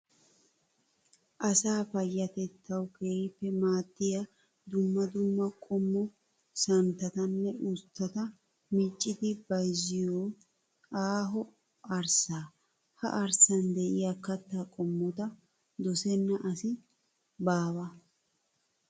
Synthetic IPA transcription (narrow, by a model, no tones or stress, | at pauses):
ʔɐsaːfɐjːɐt̪ɛt̪ʰːɐwkeːhɪpːɛmaːt̪ːɪjɐ | d̪ʊmːɐd̪ʊmːɐkʼɔmːɔ | sɐnt̪ːɐt̪ɐnːɛʊst̪ːɐt̪ɐ | mit͡ʃʼːɪd̪ɪbɐjzɪjoː | ʔaːɦɔ | ɐɾsaː | hɐ̰ʔɐɾsɐnd̪ɛʔɪjakːɐt̪ːaːkʼɔmːɔt̪ɐ | d̪ɔsɛnːɐʔɐsɪ | baːbɐ